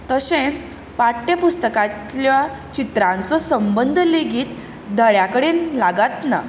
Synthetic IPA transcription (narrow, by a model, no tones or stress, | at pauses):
t̪əɕẽt͡s | paʈːepust̪əkat̪la | t͡ɕit̪ɾãnt͡sɔsəmbənd̪ʱəleɡiːt̪ | d̪ʱəɭjakəɽenlaɡat̪na̰